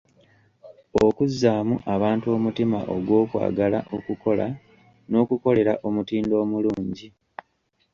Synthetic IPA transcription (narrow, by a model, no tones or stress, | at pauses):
o̞kuzːaːmuʔaβaːntuo̞ːmutima̰ʔo̞ɡwo̞ːkwa̰ːɡalaʔokuko̞la̰ | no̞ːkuko̞le̞ɾaʔomutiːndo̞ːmuluːɲɟi